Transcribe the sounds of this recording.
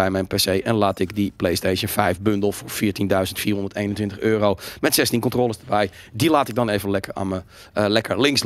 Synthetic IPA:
ɛjmɛjnpesejʔɛnlaːtɪkdiplejsteːʃjənfɛjfbøndəl̩ˠfʊɹfiːətindœɥzəntfiːrɦõndətejnəntʋɪntəχøːrowmɛtsɛstinkɔntroːlˠəsdəbɛj | dilaːtɪɡ̚dɔneːvənlɛkəra̰mə | lɛkərlɪŋs

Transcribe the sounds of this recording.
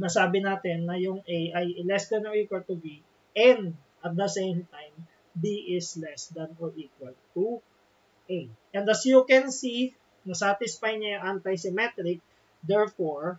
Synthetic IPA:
nɐsaːbɪnaːt̪ɪnːɐjʊŋʔɛjʔɐjlɛsd̪ɐnoɹikwɐlt̪ʊvi | ʔɛ̃nd̪ | ʔɐt̪̚d̪ɐsejmt̪ajm | biʔɪslɛsd̪ɐnɔɹʔikwɐlt̪u | ʔejʔɛ̃nd̪ɐsjukɛnsi | nɐsaːt̪ɪsfajɲɐjʊŋʔant̪ajsɪmɛt̪ɾɪk̚ | d̪ɛɹfoɹ

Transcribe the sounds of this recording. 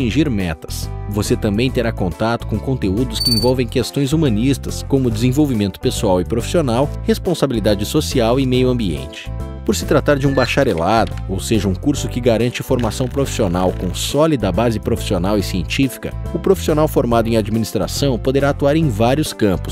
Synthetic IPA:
t͡ʃĩʒiɾmɛt̪ɐ̥svoset̪ɐ̃mbẽj̃t̪eɾakõnt̪at̪ʊ̥kõkõnt̪eud̪ʊskɪẽvɔwvẽj̃kest̪õj̃zumɐ̃nist̪ɐskõmʊd̪ɪzẽj̃vowvimẽnt̪ʊ̥pesuawɪpɾofi̥sionawhespõsabilid̪ad͡ʒɪsosiawɪmejʊɐ̃mbiḛ̃nt͡ʃɪ̥ | poɾsɪt̪ɾat̪aɾd͡ʒɪũbaʃaɾelad̪ʊowseʒɐũkuɾsʊkɪɡaɾɐ̃nt͡ʃɪfoɾmasɐ̃w̃pɾofi̥sionawkõw̃sɔlid̪ɐbazɪpɾofi̥sionawɪsiẽnt͡ʃifi̥kɐ̰ʊpɾofi̥sionawfoɾmad̪ʊẽad͡ʒiminist̪ɾa̰sɐ̃w̃pod̪eɾaːt̪uaɾẽj̃vaɾiʊskɐ̃mpʊ̥s

